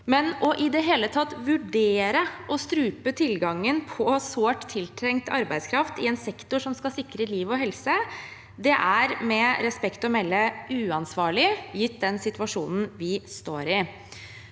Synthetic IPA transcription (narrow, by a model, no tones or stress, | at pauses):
mɛnɔʔɪd̪ɛɦeːlət̪ʰɑt̪ːʋʉɖeːɾəʔɔst̪ɾʉːpət̪ʰɪlɡɑŋːənpʰɔsoːʈt̪ʰːɪlt̪ʰɾɛŋt̪ɑ̰ɾbæɪd̪skʰɾɑft̪ɪɛnsɛkt̪ʊʂɔmskɑsɪkɾəliːʋɔɦɛlsə | d̪ɛʔæɾmɛɾɛspɛkt̪ɔmɛlːəʉːɑnsʋɑːɭɪjɪt̪̚ːd̪ɛnsɪt̪ʋɑʂuːnn̩ʋɪst̪oːɾɪ